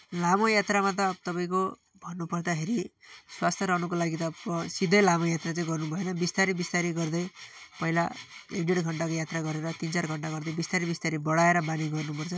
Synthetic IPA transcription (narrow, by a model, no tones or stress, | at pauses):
lamojat̪ramat̪̬ʌt̪ʌpaĩko | bʱʌnːupʌrd̪akʰeɾiswast̪ʰjʌɾanukolaɡit̪ʌsid̪ʱʌjlamojat̪rat͡saĩɡʌrnubʱʌenʌbist̪aɾibist̪aɾiɡʌrd̪ʌjpʌɦilaiɳɖeɽɡʱʌɳʈakojat̪raɡʌɾeɾʌt̪int͡sarɡʱʌɳʈaɡʌrd̪ʌbist̪aɾibist̪aɾibʌɽaeɾʌbaniɡʌrnupʌrt͡sʰʌ